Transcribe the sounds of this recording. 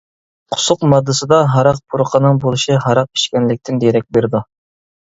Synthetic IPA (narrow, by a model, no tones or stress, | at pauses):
qʰʊ̥sʊqmɑd̪ːɨsɨd̪ɑɦɑɾɑq̚pʰuɾqʰənɨŋbolˠɨʃiɦɑɾɑq̚ʰi̥ʃkʲɛnlɪk̚ʲt̪ɪnd̪eɾɛk̚ʲbeɾd̪u